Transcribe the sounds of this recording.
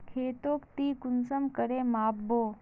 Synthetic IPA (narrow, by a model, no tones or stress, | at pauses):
kʰeːt̪oːkt̪iːkʊnsəmkəɾeːmaːbːoː